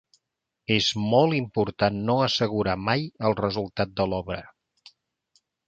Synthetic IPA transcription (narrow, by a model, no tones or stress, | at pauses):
ezmɔlˠimpuɾt̪anːoəsəɣ̞uɾamajəlˠrəzulˠt̪at̪̚d̪əlɔβɾə